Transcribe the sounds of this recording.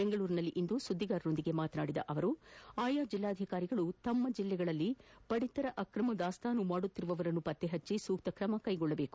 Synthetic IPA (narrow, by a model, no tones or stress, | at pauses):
beŋɡɐɭuːɾinɐlːiʔind̪usud̪ʱːiɡaːɾno̞nd̪iɡe̞maːt̪ɐnaːɽid̪ɐ̰ʔɐʋɐɾuaːjaːd͡ʒilːaːd̪ʱikaːɾiɡɐɭut̪ɐmːɐd͡ʒilːɛɡɐɭɐlːipɐɽit̪ɐɾɐʔɐkɾɐmɐd̪aːst̪ʰaːnːumaːɽut̪ːiɾuʋɐʋɐɾɐnːupɐt̪ːeɦɐt͡ʃːisuːk̚t̪ɐkɾɐmɐkɐjɡɔɭːɐbe̞ːku̥